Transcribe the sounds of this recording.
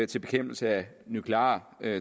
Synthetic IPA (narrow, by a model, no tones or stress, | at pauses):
t͡sʰe̝lb̥e̝kʰem̰b̥l̩səæ | nukʰlɑ̰̈ː | ø